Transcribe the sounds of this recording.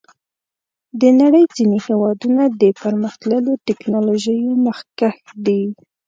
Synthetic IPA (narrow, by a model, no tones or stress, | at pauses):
d̪ənaɽəjd͡zinehewɑd̪unad̪əpəɾməxt̪ləlotɪknɑloʒəjoməxkaxd̪i